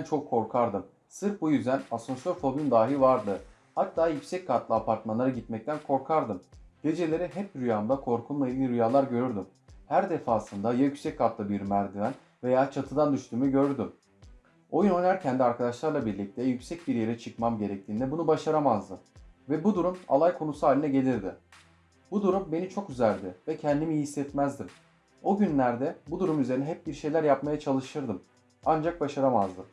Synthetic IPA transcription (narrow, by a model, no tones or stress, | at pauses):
nt͡ʃʰo̞kʰːo̞ɾkʰaɾd̪ɯm | sɯɾpbujyzd̪ænaso̞nsøɾfo̞bynd̪aːɦilvaɾd̪ɯ | hat̪ʰːaːjycʲsɛckʰːat̪lˠɯapʰaɾt̪manlˠaɾaɟit̪mɛc̚t̪ʰænkʰo̞ɾkʰaɾd̪ɯmɟe̞d͡ʒe̞lʲe̞ɾiɦɛp̚ɾyjand̪akʰo̞ɾkʰunmajiimiɾyjaːlˠaɾɟø̞ɾyɾd̪ym | hæɾd̪e̞faːsɯnd̪ajajycʲsɛcʰːat̪lˠɯbiɾymæɾd̪ivæn | ve̞jaːt͡ʃʰat̪ʰɯd̪and̪yʃt̪ʰyːmyɟø̞ɾɾd̪ym | o̞jyno̞næɾcʰɛnd̪iaɾkʰad̪aʃlˠaɾlˠabiɾlʲic̚t̪ʰɛjycsɛc̚biɾje̞ɾɛt͡ʃʰɯkmamɟe̞ɾɛc̚t̪ʰiːnd̪ɛbunubaʃaɾamazd̪ɯvɛbud̪uɾuma̰lˠajkʰonusuaːlʲinɛɟe̞lʲiɾd̪ɪ | bud̪uɾumbe̞nit͡ʃʰo̞kyzælʲd̪ɪvɛcʰɛnd̪imijisːɛt̪mæzd̪im | o̞ɟynlʲæɾd̪ɛbud̪uɾumyze̞ɾinɛɦɛp̚biɾʃe̞jlʲæɾjapmajat͡ʃʰalˠɯʃɯɾd̪ɯm | and͡ʒak̚baʃaɾamazd̪ɯ